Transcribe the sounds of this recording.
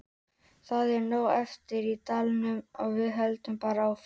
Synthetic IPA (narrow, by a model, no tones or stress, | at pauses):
θaðɛɾnoːwɛft̪ɪɾit̪alnʏmaɣvɪðɦɛlt̪ʏmpaːɾaːwf